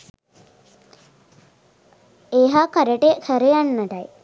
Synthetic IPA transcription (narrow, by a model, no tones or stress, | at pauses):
eːɦakəɾeʈekʰəɾeanːəʈaj